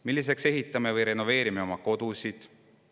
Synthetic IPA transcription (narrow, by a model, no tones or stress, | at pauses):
milːis̬e̞kse̞ɦit̪ːˑɑme̞vɯjɾe̞no̞ve̞ːɾimeo̞mɑko̞d̪̥usid̪̥